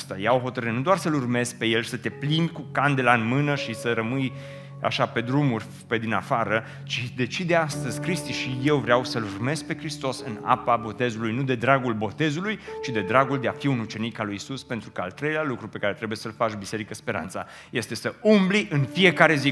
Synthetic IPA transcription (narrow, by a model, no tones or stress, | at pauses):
st̪a̰jaoɦo̞t̪əɾɨnud̪oarsəlurme̞zk̚pe̞je̞lʃi̥sət̪e̞plind̪kukand̪e̞laɨnmɨnəʃisəɾəmɨj | a̰ʃape̞d̪ɾumurʲ | pe̞d̪inafaɾə | t͡ʃid̪e̞t͡ʃid̪east̪əzʲkɾist̪iʃije̞wvɾeawsəlurme̞zk̚pe̞kɾist̪o̞sɨna̰pabo̞t̪e̞zulujnud̪e̞d̪ɾaɡulbo̞t̪e̞zulujt͡ʃid̪e̞d̪ɾaɡuld̪eafiunut͡ʃe̞nikalujisuspent̪ɾukəa̰lt̪ɾe̞jlealukɾupe̞kaɾet̪ɾe̞buje̞səlfat͡ʃbise̞ɾikəspe̞ɾa̰nt̪sa̰ | je̞st̪e̞səumbliʔɨnfije̞kaɾe̞zi